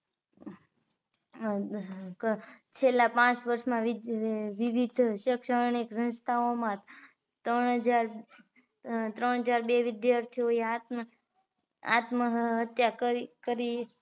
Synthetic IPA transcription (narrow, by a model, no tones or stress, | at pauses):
t͡ʃʰelːapãt͡ʃʋəɾʃmãʋʋɪʋid̪ʱʃəkʃəɾɳiksə̃nst̪ʰaomã | t̪əɳɦəd͡ʒaɾ | t̪ɾəɳɦəd͡ʒaɾbeʋɪd̪jaɾt̪ʰioeat̪m | a̰t̪məɦɦət̪jakəkəɾi